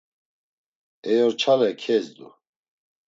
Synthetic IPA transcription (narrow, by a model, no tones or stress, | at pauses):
ɛjɔɾt͡ʃʰalɛkʰɛzd̪ṵ